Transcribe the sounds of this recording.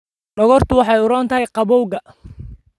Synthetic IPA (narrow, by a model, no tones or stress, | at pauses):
ɖɔɣɔrt̪ʰʊwɑħɑjʊɾɔːnt̪ʰɐɦɛjqɑβɔwɣɐ